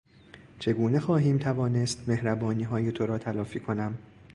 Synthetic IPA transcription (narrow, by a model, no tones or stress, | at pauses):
t͡ʃʰe̞ɡuːne̞xɒːɦiːmt̪ʰævɒːne̞st̪me̞hɾæbɒːniːɦɒːjet̪ʰoɾɒːt̪ʰælɒːfiːkʰo̞næm